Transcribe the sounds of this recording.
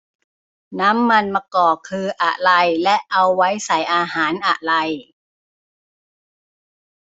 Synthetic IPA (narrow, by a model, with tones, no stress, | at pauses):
naː˦˥mːa˧nmaː˧kɔː˨˩kʰːɯː˧ʔa˨˩ʔɾa˧jlɛ˦˥ʔʔa˧wːa˦˥jsa˨˩jʔaː˧ɦaː˩˦nʔa˨˩ʔɾa˧j